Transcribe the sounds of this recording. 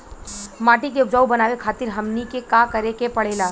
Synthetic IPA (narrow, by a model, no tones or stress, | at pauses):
maːʈikeʊpd͡ʒaːubɐnaːʋekʰaːt̪ɪɾɦɐmnikekaːkɐɾekepɐɽ̤eːlaː